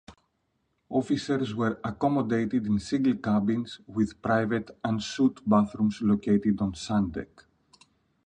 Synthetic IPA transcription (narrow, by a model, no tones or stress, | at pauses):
ofiseɾzwəɾɐkomod̪ejt̪id̪ĩnsĩŋɡəlkabĩnz̥wiðpɾajvet̪ɐ̃ndsut̪baθɾumzlokejt̪id̪õnsãnd̪ḛk